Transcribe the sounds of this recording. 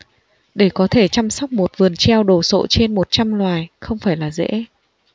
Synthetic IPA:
ɗe˧˩kɔ˨˦t̪ʰe˧˩t͡ɕa˧msɔ˦˥wk͡p̚mo˨˩t̚vɨ˨˩ənt͡ɕɛ˧wɗo˨˩so̰˧˨t͡ɕe˧nmo˨˩t̚t͡ɕa˧mlwaː˨˩jxə˧wŋ͡mfaː˧˩jlaː˨˩zḛ˧˥

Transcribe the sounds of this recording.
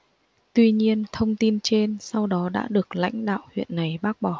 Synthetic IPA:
t̪wi˧ɲi˧ənt̪ʰə˧wŋ͡mt̪i˧nt͡ɕe˧nsa˧wɗɔ˨˦ɗa̰ː˧˥ɗɨ˨˩ək̚la̰˧˥jŋ̟ɗa̰ː˧˨whwḭ˧˨ənːa˨˩jɓaː˦˥k̚ɓɔ˧˩

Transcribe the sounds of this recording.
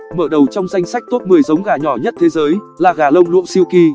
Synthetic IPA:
məː˧˩ɗə˨˩wt͡ɕɔ˧wŋ͡mza˧jŋ̟sa˦˥k̚t̪oː˦˥p̚mɨ˨˩əjzə˨˦wŋ͡mɣaː˨˩ɲɔ˧˩ɲə˦˥t̚t̪ʰe˨˦zəː˨˦j | laː˨˩ɣaː˨˩lə˧wŋ͡mlṵ˧˨ŋsi˧wki˧

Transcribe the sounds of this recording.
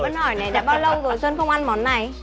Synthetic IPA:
ɓə˨˦nhɔ˨˩jna˨˩ɗa̰ː˧˥ɓaː˧wlə˧wzo˨˩jsəː˧nxə˧wŋ͡mʔa˧nmɔ˨˦nːa˨˩j

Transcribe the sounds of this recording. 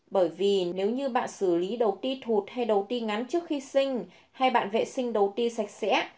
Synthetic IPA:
ɓəː˧˩jvi˨˩ne˨˦wɲɨ˧ɓa̰ː˧˨nsɨ˧˩li˨˦ɗə˨˩wt̪i˧t̪ʰu˨˩t̚ha˧jɗə˨˩wt̪i˧ŋa˨˦nt͡ɕɨ˦˥ək̚xi˧sï˧ŋ̟ | ha˧jɓa̰ː˧˨nvḛ˧˨sï˧ŋ̟ɗə˨˩wt̪i˧sa˨˩jk̟̚sɛ̰˧˥

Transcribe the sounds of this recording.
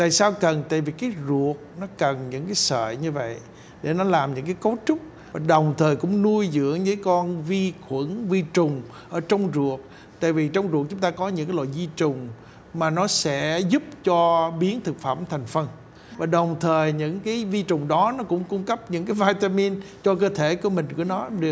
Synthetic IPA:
t̪a̰ː˧˨jsaː˧wkə˨˩nt̪a̰ː˧˨jvi˨˩kaː˨˦jzu˨˩ət̚nɔ˨˦kə˨˩nɲɨ̰˧˥ŋkaː˨˦jsə̰ː˧˨ɲɨ˧və̰˧˨j | ɗe˧˩nɔ˨˦laː˨˩mɲɨ̰˧˥ŋkaː˨˦jko˨˦t͡ɕʊ˦˥k͡p̚ | vaː˨˩ɗə˨˩wŋ͡mt̪ʰəː˨˩jkʊ̰˧˥ŋ͡mnu˧əjzɨ̰˧˥əŋzɨ̰˧˨˦jkɔ˧nvi˧xwə˧˥nvi˧t͡ɕʊ˨˩ŋ͡m | ʔəː˧˩t͡ɕɔ˧wŋ͡mzu˨˩ət̚ | t̪a̰ː˧˨jvi˨˩t͡ɕɔ˧wŋ͡mzu˨˩ək̚t͡ɕʊ˨˦ŋ͡mt̪aː˧kɔ˨˦ɲɨ̰˧˥ŋkaː˨˦lɔ̰ː˧˨jvi˧t͡ɕʊ˨˩ŋ͡m | maː˨˩nɔ˨˦sɛ̰˧˥zʊ˦˥p̚t͡ɕɔ˧ɓi˨˦ənt̪ʰɨ˨˩k̚fa̰ː˧˩˨mt̪ʰɛ˨˩jŋ̟fə˧n | vaː˨˩ɗə˨˩wŋ͡mt̪ʰəː˨˩jɲɨ̰˧˥ŋkaː˨˦jvi˧t͡ɕʊ˨˩ŋ͡mɗɔ˨˦nɔ˨˦kʊ̰˧˥ŋ͡mkʊ˧ŋ͡mkə˦˥p̚ɲɨ̰˧˥ŋkaː˨˦jvaː˧jt̪aː˧mi˧nt͡ɕɔ˧k̬əː˧t̪ʰe˧˩ku˧˩˦əmï̟˨˩ku˧˩ənɔ˨˦ɗɨ˨˩

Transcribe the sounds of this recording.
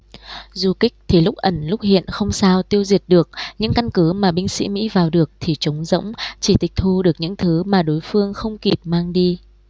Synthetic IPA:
zu˨˩kï˦˥k̚t̪ʰi˨˩lʊ˦˥k͡p̚ʔə˧˩nlʊ˦˥k͡p̚hḭ˧˨ənxə˧wŋ͡msaː˧wt̪i˧əwzi˨˩ət̚ɗɨ˨˩ək̚ɲɨ̰˧˥ŋka˧nkɨ˨˦maː˨˩ɓï˧ŋ̟sḭ˧˥mḭ˧˥vaː˨˩wɗɨ˨˩ək̚t̪ʰi˨˩t͡ɕʊ˨˦wŋ͡mzə̰˧˥wŋ͡mt͡ɕi˧˩t̪ï˨˩k̚t̪ʰu˧ɗɨ˨˩ək̚ɲɨ̰˧˥ŋt̪ʰɨ˨˦maː˨˩ɗo˨˦jfɨ˧əŋxə˧wŋ͡mki˨˩p̚maː˧ŋɗi˧

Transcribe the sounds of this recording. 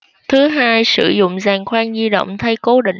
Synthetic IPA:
t̪ʰɨ˨˦ɦaː˧jsɨ˧˩zʊ̰˧˨ŋ͡mzaː˨˩ŋxwaː˧nzi˧ɗo̰˧˨wŋ͡mt̪ʰa˧jko˨˦ɗḭ̈˧˨ŋ

